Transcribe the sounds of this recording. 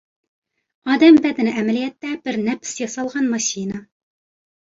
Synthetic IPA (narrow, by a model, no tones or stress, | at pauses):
ɑːd̪ɛmbɛd̪ɪnɪʔɛmɛlijɛt̪ːɛbɪɾnɛpʰɪ̥sjɑsɑlˠʁɑnmɑʃinɑ